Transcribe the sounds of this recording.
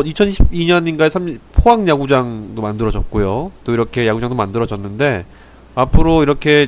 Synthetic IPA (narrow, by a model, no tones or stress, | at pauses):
it͡ɕʰʌnɕʰibiɲʌɲinɡaesʰampʰoaŋjaɡud͡ʑaŋdomandɯɾʌd͡ʑʌt̚k͈ojot͈oiɾʌkʰe̞jaɡud͡ʑaŋdomandɯɾʌd͡ʑʌnːɯnde̞ | apʰɯɾoiɾʌkʰe̞